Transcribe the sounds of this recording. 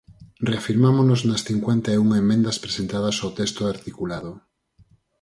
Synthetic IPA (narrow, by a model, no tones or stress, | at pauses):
reafiɾmamonoznɐsθiŋkwent̪aeuŋemːẽnd̪ɐspɾesent̪að̞ɐsawt̪est̪oaɾt̪ikulaðo